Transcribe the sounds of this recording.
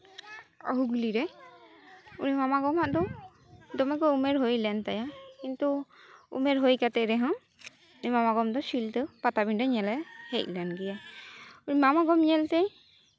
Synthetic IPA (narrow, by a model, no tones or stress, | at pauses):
ɔ̰ɦuɡliɾɛ | unimamaɡɔmaʔd̪ɔ | d̪ɔmɛɡɔumɛɾɦojlɛnt̪ajakint̪uṵmɛɾɦojkat̪ɛɾɛɦɔ̃ | unimamaɡɔmd̪ɔsilt̪əpat̪abiɳɖaɲɛlɛhɛc̚ˀlɛnɡɛjaunimamaɡɔmɲɛlt̪ɛ